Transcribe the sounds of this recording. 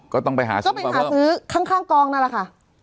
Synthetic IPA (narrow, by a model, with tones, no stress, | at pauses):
kɔː˥˩t̪ɔ˥˩ŋpa˧jɦa̰ː˩˦kɔ˥˩˦pa˧jhaː˩˦sɯː˦˥kʰaː˥˩ŋkʰaː˥˩ŋkɔː˧ŋna˦˥˩la˧˨˩kʰa˥˩ʔ